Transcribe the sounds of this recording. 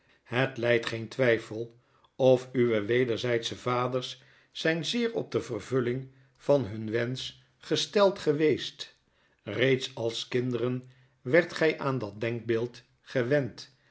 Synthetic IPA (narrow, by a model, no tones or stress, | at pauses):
ɦətlɛjtχejntʋɛjfəlˠ | ɔfyʋəʋejdəɹzɛjtsəvaːdəɹsː | ɛjnzɪːɹɔ̰b̚dəvərvɵlɪŋ | v̥ɑnɦɵnʋɛns | χəstɛlˠtχəʋejst | rejtsɑlˠskɪndərən | ʋɛɹtχɛjʔaːndɑt̚dɛŋɡ̚bɪːlˠt | χəʋɛnt